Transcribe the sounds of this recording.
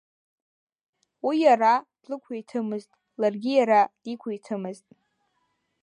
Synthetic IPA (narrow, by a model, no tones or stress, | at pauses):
wijarad̥lɨkʷʰajtʰɨmɨztʼ | larɡʲijaɾad̥ikʷʰaitʰɨmɨztʼ